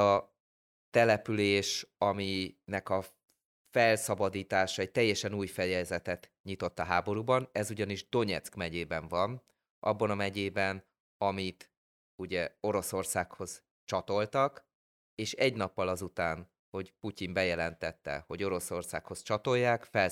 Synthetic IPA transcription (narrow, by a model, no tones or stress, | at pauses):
ɒ | t̪ɛlɛpyleːʃɒminɛkɒ | fɛlsɒbɒd̪iːt̪aːʃɒɛc̚t̪ɛjːɛʃɛnuːjfɛjɛzɛt̪ɛt̪ | ɲit̪o̞t̪ːɒɦaːbo̞ɾuːbɒnɛzuɟɒniʒd̪o̞ɲɛ̰t̪skmɛɟeːbɛɱvɒn | ʔɒ̰bːɒnɒmɛɟeːbɛn | ɒmit̪ | uɟɛo̞ɾo̞so̞rsaːkho̞z̥ | t͡ʃɒt̪o̞lt̪ɒk | eːʃɛɟnɒpːɒlɒzut̪aːn | ho̞ɟpucimbɛjɛlɛnt̪ɛt̪ːɛ̰ho̞ɟo̞ɾo̞so̞rsa̰ːkho̞st͡ʃɒt̪o̞jːaːkfɛl